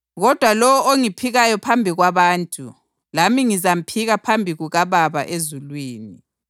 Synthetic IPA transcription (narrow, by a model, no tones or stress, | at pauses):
ɣɔd̥ʱwalɔwɔoŋipʰiɣajɔpʰambʱiɣwaβaːntʼu | lamiŋizam̩pʰiɣapʰambʱiɣuɣaβaβaʔezulwiːni